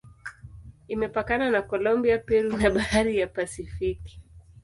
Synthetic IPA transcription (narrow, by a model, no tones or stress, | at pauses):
imɛpakananakɔlɔmbiapɛɾunaɓahaɾijapasifiki̥